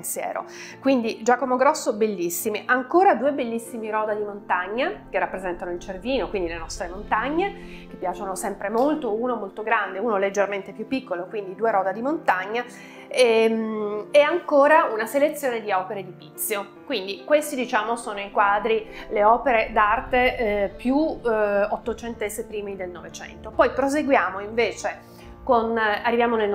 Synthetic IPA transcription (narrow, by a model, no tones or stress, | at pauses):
nt̪sjɛ̰ːɾo̰ | kwind̪id͡ʒaːkomoɡɾɔsːobelːisːimiʔaŋkoːɾad̪uːebelːisːimiɾɔːd̪ad̪imont̪aɲːak̟erːapːɾezɛnt̪anoilt͡ʃerviːnokwind̪ilenɔst̪ɾemont̪aɲːe | k̟e̥pːjaːt͡ʃonosɛmpɾemolt̪ouːnomolt̪oɡɾand̪euːnoled͡ʒːerment̪epjupːikːolokwind̪id̪uːeɾɔːd̪ad̪imont̪aɲːa | emeaŋkoːɾaunaselet̪sːjoːned̪iɔpeɾed̪ipit̪sːjo | kwind̪ikwest̪id̪it͡ʃaːmosoːnoikwaːd̪ɾileɔːpeɾed̪art̪epju | ot̪ːot͡ʃent̪esepɾiːmid̪elnovet͡ʃɛ̰nt̪opɔjpɾozeɡwjaːmoiɱveːt͡ʃe | konarːivjaːmonel